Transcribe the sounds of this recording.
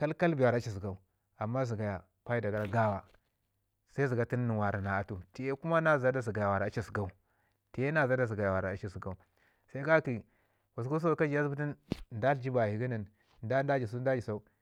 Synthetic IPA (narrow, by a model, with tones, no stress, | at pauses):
ka˦lka˦lbi˨a˨ɾt͡ʃi˨si˨ɡa˨u˦ | a˨mːa˦zi˨ɡa˨ja˨ | pa˦i˦da˨ɡa˨ɾa˦ɡa˦wa˨ | sa˦i˦zi˨ɡa˨ti˦nː˦i˨wa˨ɾa˨na˨a˨tu˨ti˨je˦ku˦ma˦na˦za˦da˦z̬i˨ɡa˨ja˨wa˨ɾa˨a˨˦t͡ʃi˦si˨ɡa˦u˦ | ti˨je˦na˦˨za˦da˨z̬i˨ɡa˨ja˨wa˨ɾa˨a˨t͡ʃi˦si˨ɡa˦u˦ | sa˦i˦ɡa˦ki˨ | wa˨sku˦s̬a˦˨ka˦d͡ʒi˨ja˦zbu˦ti˦n˨da˦ɬd͡ʒi˦ba˨hi˨ɡi˦na˨n | nda˦n˦da˦d͡ʒi˨su˦n˦da˦d͡ʒi˨sa˦u˦